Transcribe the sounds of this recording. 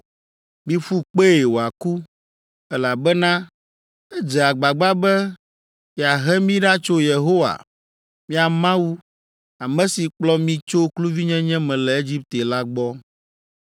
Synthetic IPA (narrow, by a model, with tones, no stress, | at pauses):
mĩ˦fu˦k͡pe˦˨e˨wo˨a˨ku˦ | ɛ˦la˨bɛ˦nã˦ | ɛ˦d͡ʒɛ˨a˨ɡ͡ba˨ɡ͡ba˦bɛ˦ | i˨a˨ɦɛ˦mĩ˦ɖa˦t͡ʃo˦je˨ɦo˦wa̰˨ | mĩ˦a˨mã˦wu˦ | a˨mɛ̃˦si˨k͡plɔ˦mĩ˦t͡ʃo˦klu˦vi˦ɲɛ̃˦ɲɛ̃˦mɛ̃˨lɛ˨e˦d͡ʑi˦p̚t̪e˨la˦ɡ͡bɔ˦